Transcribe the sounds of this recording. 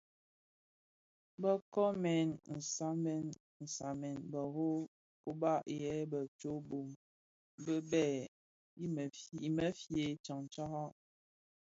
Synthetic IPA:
bə˦kɔ˦mɛ˨nn̩˨sa˦mɛ˨n | n̩˨sa˨mɛ˨nbə˨ɦo˦ | ko˦ba˦˨ʔjɛ˨˦bə˨t͡ʃo˦bo˨m | bə˦bɛ˦˨ | i˦mə˨i˨mə˦fje˨˦t͡ʃa˨ŋt͡ʃa˦ha˦ʔ

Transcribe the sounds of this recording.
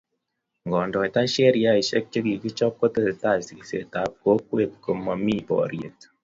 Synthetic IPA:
ŋɡɔ˨ndɔ˨i˨ta˦ʃɛ˦ɾja˦i˨ʃɛ˦k̚t͡ʃe˦ki˨ki˦t͡ʃɔ˦p̚ko˦te˦se˨ta˦˨si˨ki˨sḛ˨ta˨˦p̚ko˦kwe˦˨t̚ko˨ma˨mi˦pɔ̰˨ɾjḛ˨t

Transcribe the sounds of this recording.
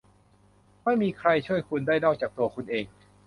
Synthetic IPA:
ma˥˩jmiː˧kʰɾa˧jt͡ɕʰu˥˩əjkʰu˧ndaː˥˩jnɔː˥˩k̚t͡ɕaː˨˩k̚t̪u˧ɐkʰu˧nʔeː˧ŋ

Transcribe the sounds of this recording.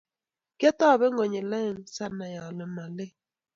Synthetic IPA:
ke˦tɔ˦˨βe˦ŋɔ˨ɲe˨la˦˨n̩˨sa˦na˨ja˨lɪ˨ma˨lɪ˦

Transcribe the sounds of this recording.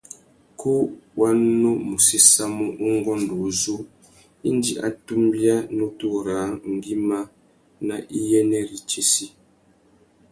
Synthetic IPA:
kʰu˦wʔa˦nː˦o˦mu˨si˦sa˦mo˦ʔu˦ŋ˦ɡɔ˦n˨do˨zu˦ | i˦n˦di˨ʔa̰˨tu˦mbja˦nu˦tu˦ɾa˨˦ŋ̩˨ɡi˦ma˦ | na˦ʔi˦jɛ˦nɛ˦ɾi˨t͡ʃe˦si˦

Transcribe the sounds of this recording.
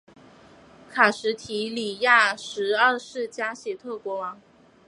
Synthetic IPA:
kʰa˨˩ʂɻ̩˧˥t̪ʰi˧˥li˨˩ja˥˩ʂɻ̩˧˥ə˥˧ʂɻ̩˥˩t͡ɕja˥ɕjɛ˨˩t̪ʰɤ˥˩kwɔ˧˥wɑ˧˥ŋ

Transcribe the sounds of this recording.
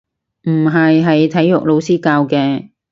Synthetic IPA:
m̩˨˩ɦɐ˨jɦɐ˨jt̪ʰɐ˨˥jːʊ˨k̚lo˨˧wsiː˥kaː˧wkɛː˧

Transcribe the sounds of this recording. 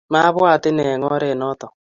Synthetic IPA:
ma˦βwa˦˨tɪ˦nɛ˨ŋɔ˦ɾe˦˨nɔ˦tɔ˨

